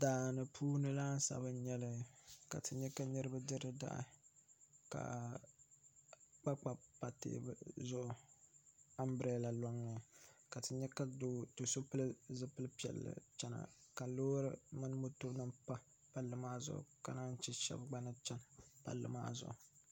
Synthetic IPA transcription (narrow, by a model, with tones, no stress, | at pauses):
daː˨nɨ˨pʰuː˦nɨ˦laː˦n˦sa̰˨bɨ˦ɲɛ˦lɨ˦ka̰˨tɨ˨ɲɛ˦ka˦ɲɨ˦ɾɨ˦bɨ˦dɨ˦ɾɨ˦da̰˦ʔ | ka̰˨ | k͡pa˦k͡pa˨pa˨tḛː˦˨bɨ˦zʊ˦ʔʊ˦ | a˦mbɾɛ˦la˨lo˦ŋːɨ˨ka˨tɨ˨ɲɛ˦ka˦do˦to˨so˦pɨ˦lzɨ˦pɨ˦lɨ˦pi˦ɛ̰˨lːɨ̰˨t͡ʃɛ˦na̰˨ka˨loː˦ɾɨ˦mɨ˦n˦mo˦to˦nɨ˦mpa˦ | pa˦lːɨ˨maː˦zʊ̰˨ʔʊ̰˨ka̰˨na˦n˦t͡ʃɛ˦ʃɛ̰˦bɡ͡ba˦nɨ˦t͡ʃɛ˦npa̰˨lːɨ̰˨ma̰ː˦zʊ̰˨ʔʊ˨